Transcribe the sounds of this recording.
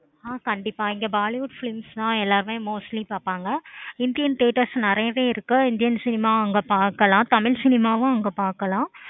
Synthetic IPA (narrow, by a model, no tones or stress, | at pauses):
aːkɐɳɖɪpːaːɪŋɡɐbaːlɪʋʊɖfɪlɪmslãːɛlːaːɾɯmẽːmoːsʈlipaːɾpaːŋɡɐɪnd̪ɪjɐnʈeːʈɐsnɪɾɐjɐʋeːɪɾɯkːɯɪnd̪ɪjɐnsɪnɪmaːɐŋɡɐpaːɾkɐlãːt̪ɐmɪɻsɪnɪmaːʋʊ̃ɐŋɡɐpaːɾkɐlãː